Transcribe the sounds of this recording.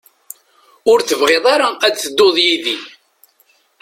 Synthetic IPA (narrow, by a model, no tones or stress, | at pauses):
ʊɾθəvʁeðˤɑɾaæd̪θəd̪ːoðˤjiði